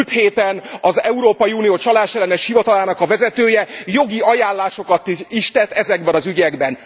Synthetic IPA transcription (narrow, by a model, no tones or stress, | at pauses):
lt̪heːt̪ɛnɒzɛuɾoːpɒjiuːnijoːt͡ʃɒlaːʃɛlːɛnɛʃhivɒt̪ɒlaːnɒkɒvɛzɛt̪øːjɛjo̞ɡiɒjaːlːaːʃo̞kɒt̪iʃt̪ɛt̪ːɛzɛɡbɛnɒzyɟɛɡbɛn